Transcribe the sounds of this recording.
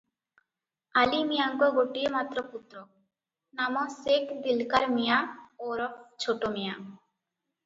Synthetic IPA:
alimijaŋkɔɡoʈiemat̪ːɾɔput̪ːɾɔ | namɔsekd̪ilkaɾmijaoɾɔkt͡ɕʰoʈomija

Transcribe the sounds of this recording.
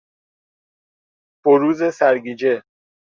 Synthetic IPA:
b̥oɾuːzesæɾɡiːd͡ʒe

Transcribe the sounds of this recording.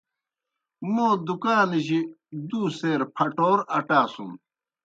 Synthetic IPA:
mõːd̪ukaːnʑid̪uːseːɾpʰɐʈoːɾɐʈaːsṵ̃m

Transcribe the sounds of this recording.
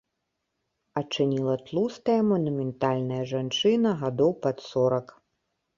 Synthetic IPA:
ɐt͡ʂɨnʲilˠɐt̪lˠust̪ɐjɐmɐnumʲɛnt̪alʲnɐjɐʐant͡ʂɨnɐɣad̪ɔwpat̪sɔɾɐk

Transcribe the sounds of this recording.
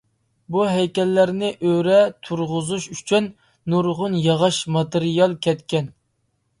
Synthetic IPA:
buɦɛjkʲɛlːæɾnɪʔøɾɛt̪ʰuɾʁʊzuʃyt͡ʃʰyn | nːuɾʁʊnjɑʁɑʃmɑt̪ɨɾijɑlˠkʲʰɛt̪kʲɛn

